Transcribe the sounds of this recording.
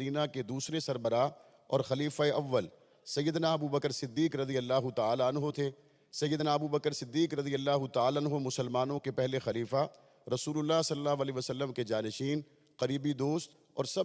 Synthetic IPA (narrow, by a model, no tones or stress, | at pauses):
iːnaked̪uːsɾesɐɾbəɾa | ɔ̰ːɾxɐliːfaeʔɐʋːəl | sɐjːəd̪naɐbubəkəɾsɪd̪ːiːkɾɐd̪ijəlːaːɦʊt̪aaːlaɐnɦot̪ʰe | sɐjːəd̪naɐbubəkəɾsɪd̪ːiːkɾɐd̪ijəlːaːɦʊt̪aaːlaɐnɦomʊsəlmaːnõkepɛɦlexɐliːfa | ɾɐsuːlʊlːasɐlːaːɦʋaliʋɐsɐlːəmked͡ʒaːnɪʃiːn | qɐɾiːbid̪oːst̪ | ɔ̰ːɾsɐ